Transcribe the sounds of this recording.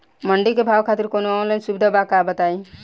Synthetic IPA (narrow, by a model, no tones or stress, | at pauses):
məɳɖikebʱawkʰaːt̪iɾkonoɔnlajnsubid̪ʱabakabət̪ai